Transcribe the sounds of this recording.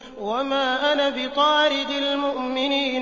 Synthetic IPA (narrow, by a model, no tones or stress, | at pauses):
wamaːʔanabɪq̪ɑːɾɪd̪ɪlmʊʔmɪniːn